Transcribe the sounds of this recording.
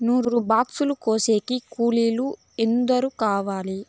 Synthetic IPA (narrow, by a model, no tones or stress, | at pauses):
nuːɾɾubaːksulukoːse̞ːkikuːliːlu | end̪ɐɾukaːʋaːli